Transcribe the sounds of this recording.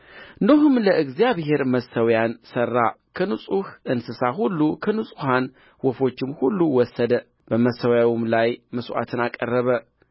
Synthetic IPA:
noɦɨmləʔɨɡzijaβhe̞ɾməsəwjansərːa | kʰənusʼuhʔɨnsɨsaɦulːukʰənusʼuhan | wɔfo̞t͡ʃːɪmhulːuwɔsːəd̪ə | b̥əməsəwjawumlajməsʔa̰t̪ʰɨnakʼərːəβə

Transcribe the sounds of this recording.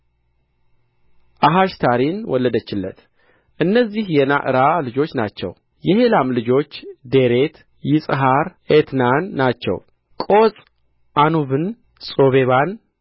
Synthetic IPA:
ʔaɦaʃt̪ʰaɾinwɔlːəd̪ət͡ʃːɪlːə̰t̪ | ʔɨnːəzːihjɛna̰ʔɨɾalɨd͡ʒo̞t͡ʃːna̰t͡ʃːɛ̰w | jɛhe̞lamlɨd͡ʒo̞t͡ʃːd̪e̞ɾe̞t̪ | jɪsʼɨɦaɾet̪nanːat͡ʃːɛ̰w | kʼosʼ | ʔanuβɨn | sʼo̞βe̞βan

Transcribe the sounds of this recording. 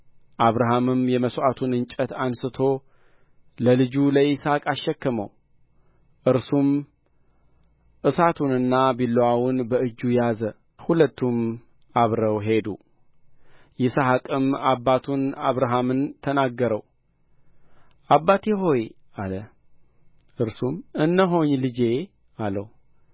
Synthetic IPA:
ʔaβɾaɦamɨmjɛməsʔat̪ʰunɨnt͡ʃʼət̪ʰansɨt̪ʰo̞ | ləlɨd͡ʒuləisakʼaʃːɛkːəmə̰w | ʔɨɾsum | ʔɨsat̪ʰunɨnːabilːowawʊnbəɨd͡ʒːujazə | hulət̪ːum | aβɾəwɦe̞d̪u | jɪsahakʼɨmabːat̪ʰunaβɾaɦamɨnt̪ʰənaɡːəɾəw | ʔabːat̪eɦo̞j | alə | ʔɨɾsumɨnːəɦo̞ɲlɨd͡ʒe̞ | ʔaləw

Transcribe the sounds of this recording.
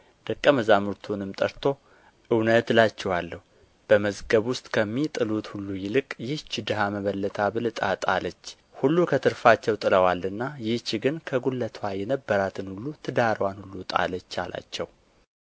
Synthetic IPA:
d̪̥əkʼːəməzamɨɾt̪ʰunɨmt̪ʼəɾt̪ʰo̞ | ʔɨwnət̪lat͡ʃːɛwalːəhu | b̥əməzɡəβwʊst̪ʼkʰəmːit̪ʼɨlut̪hulːujɪlɨkʼjɪht͡ʃːɪd̪ɨɦaməβəlːət̪ʰabɨlɨt̪ʼat̪ʼalət͡ʃː | hulːukʰət̪ʰɨɾfat͡ʃːɛwt̪ʼɨləwalːɨnːajɪht͡ʃːɡɨnkʰəɡulːət̪ʰwajɛnəbːəɾat̪ʰɨnhulːut̪ʰɨd̪aɾəwanhulːut̪ʼa̰lət͡ʃːa̰lʔa̰t͡ʃːɛw

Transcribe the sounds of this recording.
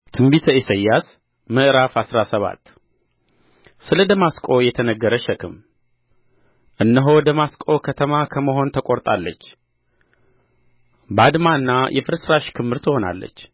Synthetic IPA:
t̪ʰɨmbit̪ʰəisəjːas | məʔɨɾafasɾasəβa̰t̪ː | sɨləd̪əmaskʼo̞jɛt̪ʰənəɡːəɾəʃəkʰɨm | ʔɨnːəɦo̞d̪əmaskʼo̞kʰət̪ʰəmakʰəməɦo̞nt̪ʰəkʼo̞ɾt̪ʼalːət͡ʃː | bad̪maɨnːajʔɛfɨɾsɾaʃkʰɨmːɨɾt̪ʰɨho̞na̰lːə̰t͡ʃː

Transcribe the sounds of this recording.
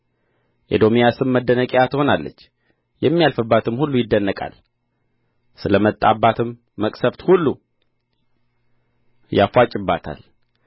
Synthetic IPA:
ʔed̪o̞mijasɨmːəd̪ːənəkʼjat̪ʰɨho̞nalːə̰t͡ʃː | jɛmːijalfɨbːat̪ɨmhulːujɪd̪ːənːəkʼa̰l | sɨləmət̪ʼːabːat̪ʰɨmː | əkʼsəft̪hulːu | jafʷat͡ʃʼɪbːat̪ʰa̰l

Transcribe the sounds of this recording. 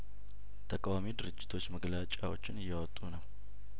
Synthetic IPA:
t̪ʰəkʼawamid̪ɨɾɨd͡ʒːɪ̥t̪ʰo̞t͡ʃːməɡlat͡ʃʼawo̞̰t͡ʃːɪnɨjːɛwɔt̪ʼːunəw

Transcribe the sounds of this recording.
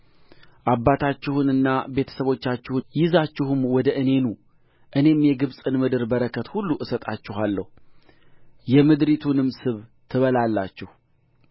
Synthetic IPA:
ʔabːat̪ʰat͡ʃːɪhɨnɨnːabe̞t̪ʰə̥səβo̞t͡ʃːat͡ʃːɪhujɪzat͡ʃːɪhɨmwɔd̪əʔɨne̞nu | ʔɨne̞mjɛɡɨβsʼɨnmɨd̪ɨɾbəɾəkʰət̪hulːuʔɨsət̪ʼat͡ʃːɪɦalːə̰hu | jɛmɨd̪ɾit̪ʰunɨmsɨβt̪ʰɨβəlalːa̰t͡ʃːɪh

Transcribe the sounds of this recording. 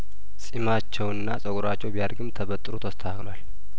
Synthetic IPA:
sʼimat͡ʃːɛwɨnːasʼəkʼuɾat͡ʃːɛwbijaɾɡɨmt̪ʰəβət̪ʼːɨɾot̪ʰəst̪ʰəaklwal

